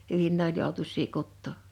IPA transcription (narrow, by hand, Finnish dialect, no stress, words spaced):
hyʋin ne olʲ joˑutusˑiː kutːoˑ